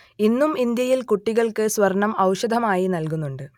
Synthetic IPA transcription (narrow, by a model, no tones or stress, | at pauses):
inːumind̪jɐjilkuʈːiɣɐɭkɨsʋɐrɳɐmɐwʂɐd̪ʱɐmaːjinɐlkunːuɳɖɨ